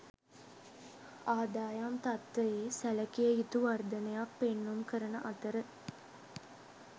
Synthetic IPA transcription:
aːd̪aːjamt̪at̪ʋɐjeːsælɐkijəit̪uʋɐrd̪ɐnejak̚penːumkəɾənəʔɐt̪əɾə

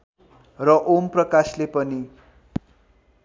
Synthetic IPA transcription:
rʌʔomprʌkaslepʌni

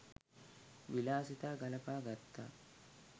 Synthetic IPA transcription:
ʋɪlaːsɪt̪aːɡɐlɐpaːɡɐt̪ʰːa̰

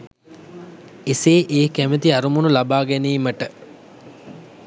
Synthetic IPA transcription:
eseːʔeːkæmət̪iaɾumunulabaːɡɛneːməʈə

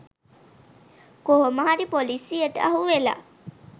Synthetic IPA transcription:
koɦoməɦaɾipolisijəʈəaɦuʋela̰ː

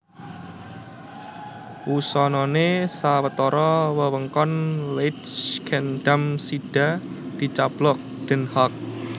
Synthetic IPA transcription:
ʔusɔnɔnesawət̪ɔɾɔwəwəŋkɔnleɪt͡ʃkʰɛnd̥amsiɖ̥a̤ | d̥i̤t͡ʃab̥lɔk̚d̪̥ə̤nhɔk̚

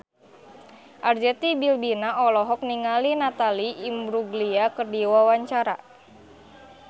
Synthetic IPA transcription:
ʔard͡ʒɛt̪ibilbinaɔlɔɦɔk̚niŋalinat̪aliːmbɾuɡliakərdiwawaɲt͡ʃaɾa̰

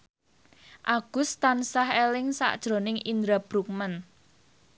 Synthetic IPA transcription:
ʔaɡ̥ʊ̤st̪ansaɦelɪŋsa̰ʔd̥ʒ̥ɾo̤nɪŋind̪ɾab̥ɾuk̚mən

